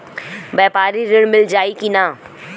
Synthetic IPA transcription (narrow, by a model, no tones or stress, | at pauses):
bɛːpaːɾiɾɪɽ̃mɪld͡ʒaːikinãː